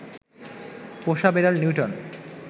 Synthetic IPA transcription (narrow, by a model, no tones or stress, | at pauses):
poʃabeɾaɾnjuʈon